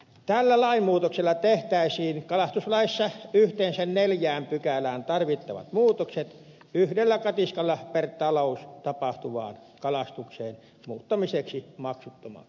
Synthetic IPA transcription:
t̪ælːælɑimmuːt̪okselːɑt̪eht̪æˑisiːnkɑlɑst̪uslɑisːɑyht̪eːnsænneljæːmpykælæːnt̪ɑrʋit̪ːɑ̰ʋɑ̰t̪muːt̪okset̪ | yhdelːækɑt̪iskɑlːɑpert̪ɑloˑust̪ɑpɑht̪uʋɑ̰ːnkɑlɑst̪ukseːn | muːt̪ːɑmiseksimɑksut̪ːomɑ̰k

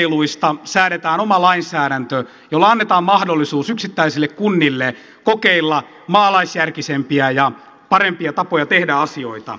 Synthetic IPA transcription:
iluist̪ɑsæːɾet̪æːnomɑlɑinsæːɾænt̪ø | jolːɑɑnːet̪ɑːmmɑhdolːisuːsyksit̪ːæisilːekkunːilːe | kokeilːɑ | mɑːlɑisjærkisempiæjɑ | pɑɾempiɑt̪ɑpojɑt̪ehdæɑsioit̪ɑ̰

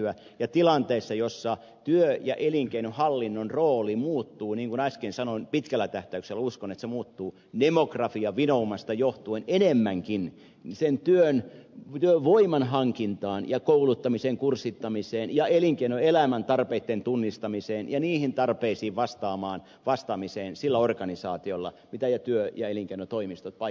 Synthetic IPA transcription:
æ | jɑt̪ilɑnt̪eisːɑjosːɑ | t̪yøjɑʔeliŋkeinohɑlːinːonroːlimuːt̪ːuːniːŋkunɑskensɑnoinpit̪kælːæt̪æht̪æykselːuskonet̪semuːt̪ːuː | demokrɑfiɑʋinoumɑst̪ɑjoht̪uenenemːæŋkin | sent̪yønt̪yøʋʋoimɑnɦɑŋkint̪ɑːnjɑkoulut̪ːɑmiseŋkursit̪ːɑmiseːnjɑeliŋkeinoelæmænt̪ɑrpeit̪ːent̪unːist̪ɑmiseːnjɑniːhint̪ɑrpeisiːʋʋɑst̪ɑːmɑːn | ʋɑst̪ɑmiseːnsilːæorkɑnisɑːt̪iolːɑ̰mit̪æjɑt̪yøjɑeliŋkeinot̪oimist̪ot̪̚pɑ

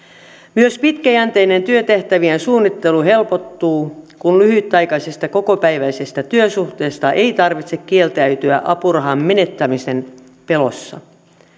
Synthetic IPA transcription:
myøspit̪kæjænt̪ejne̞nt̪yøt̪e̞ht̪æʋiensuːnːit̪ːe̞luɦe̞lpot̪ːuːkunlyhyt̪ːɑjkɑjsest̪ɑko̞ko̞pæjʋæise̞st̪æt̪yøsuxt̪e̞ːst̪ɑʔe̞it̪ɑrʋit̪se̞kkielt̪æyt̪yæ̰ʔɑpurɑɦɑmːe̞ne̞t̪ːæmise̞n | pe̞lo̞̰sːɑ̰

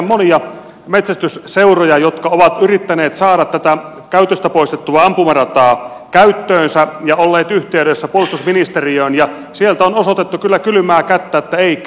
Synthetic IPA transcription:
mmoniɑ | met̪sæst̪ysseurojɑjot̪kɑoʋɑt̪yrit̪ːæneːt̪sɑːɾɑt̪t̪ːæt̪æ | kæyt̪øst̪æpoist̪et̪ːuɑɑmpumɑrɑt̪ɑː | kæyt̪ːøːnsæjɑolːeːt̪yht̪eydesːæpuolust̪usminist̪eriøːnjɑ | sielt̪æonosot̪et̪ːukylːækylymæːkæt̪ːæːet̪ːæei

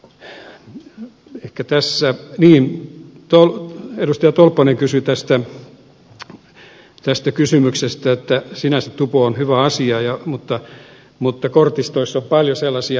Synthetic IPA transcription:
ehkæt̪æsːæniːnt̪oledust̪ɑjɑt̪olpːɑneŋkysyt̪æst̪æ | t̪æst̪ækysymyksest̪æet̪ːæsinæsett̪upoonhyʋæɑsiɑjɑmut̪ːɑ | mut̪ːɑkort̪ist̪oisːompɑljoselːɑsiɑ

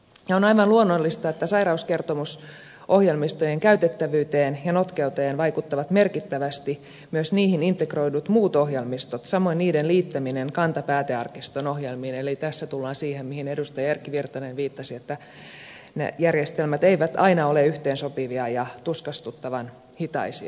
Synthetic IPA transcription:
jɑonɑiʋɑnluonːolːist̪ɑet̪ːæsɑiɾɑuskert̪omus | ʔohjelmist̪ojeŋkæyt̪et̪ːæʋyːt̪eːnjɑnot̪keut̪ɑjenʋɑikut̪ːɑʋɑt̪merkit̪ːæʋæst̪i | myøsniːhinint̪ekroidut̪muːt̪ohjelmist̪ot̪sɑmoiniːdenliːt̪ːæmineŋkɑnt̪ɑpæːt̪eɑrkist̪onohjelmiːnelit̪æsːæt̪ulːɑːnsiːhemmihinedust̪ɑjɑærkːiʋirt̪ɑnenʋiːt̪ːɑsiet̪ːæ | nḛjærjest̪elmæt̪eiʋæt̪ɑinɑoleyht̪eːnsopiʋiɑjɑt̪uskɑst̪ut̪ːɑʋɑn | hit̪ɑ̰isḭɑ̰

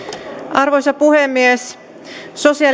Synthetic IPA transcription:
ʔɑrʋoisʲɑpuhemːies | sosiɑ

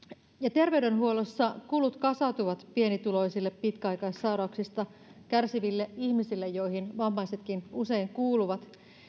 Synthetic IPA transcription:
jɑt̪e̞rʋe̞ydenɦuo̞losːɑkulut̪kɑsɑt̪uʋɑt̪pie̞nit̪ulo̞isilːeppit̪kæɑjkɑissɑuɾɑuksist̪ɑ | kærsiʋilːeihmisilːejjo̞jhinʋɑmːɑjset̪kinuse̞iŋkuːluʋɑt̪

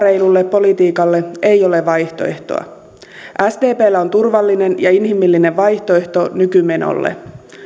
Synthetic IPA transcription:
re̞jlulːe̞pːo̞lit̪iːkɑlːe̞e̞jo̞le̞ʋɑjht̪o̞̰e̞ht̪o̞̰ɑ̰ | ʔæsd̪e̞ːpe̞ːlːæo̞nt̪urʋɑlːine̞njɑinɦimːilːine̞ʋʋɑjçt̪o̞eht̪o̞nykyme̞no̰lːḛ

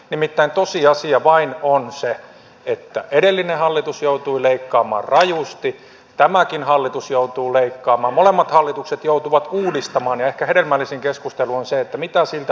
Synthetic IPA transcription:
nimit̪ːæint̪osiɑsiɑʋɑinonse | et̪ːæ̰ʔedelːinehɑlːit̪usjout̪uileikːɑːmɑ̰ːrrɑjust̪i | t̪æmækinhɑlːit̪usjout̪uːleikːɑːmɑːmmolemːɑt̪hɑlːit̪ukset̪jout̪uʋɑt̪uːdist̪ɑmɑːnjɑehkæheɾelmælːisiŋkeskust̪eluonseet̪ːæmit̪æsilt̪æ

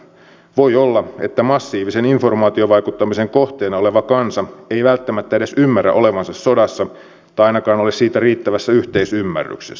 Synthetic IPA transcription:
ʋo̞jolːɑe̞t̪ːæmɑsːiːʋise̞niɱfo̞rmɑːt̪ioʋɑjkut̪ːɑmise̞ŋkoht̪eːnɑole̞ʋɑkɑnsɑe̞jʋælt̪ːæmæt̪ːæede̞symːæræ̰ʔo̞le̞ʋɑnsɑsːo̞dɑsːɑ | t̪ːɑɑjnɑkɑːnolessiːt̪æriːt̪ːæʋæsːæyht̪e̞isymːæ̰rːy̰kses

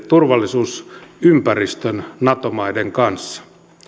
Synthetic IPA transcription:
t̪urʋɑlːisuːsympærist̪ønnɑt̪omɑideŋkɑnsːɑ̥

